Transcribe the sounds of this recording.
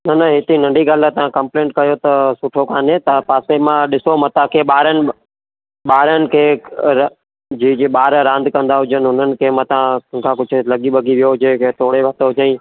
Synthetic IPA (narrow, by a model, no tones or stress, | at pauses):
nɐnɐɦɪt̪inɐ̃ɳɖiɡaːlət̪ɐʋ̤ãkɐ̃mplẽːɳʈ̚kɐjot̪ɐsʊʈʰokʰaːnet̪ɐpaːsemãɗɪsomɐt̪ãkʰeːɓaːɾənɪ̆ | ɓaːɾənɪ̆kʰeː | d͡ʑiːeɓaːɾɾãːnd̪ʱkɐ̃nd̪aɦʊd͡ʒənɪɦʊn̤ənɪ̆kʰemɐt̪ãkʰãːkʊd͡ʑʱʊ̆lɐɠiɓɐɡiʋijoɦʊd͡ʒẽket̪oːɽeʋɐt̪oɦʊd͡ʒəĩ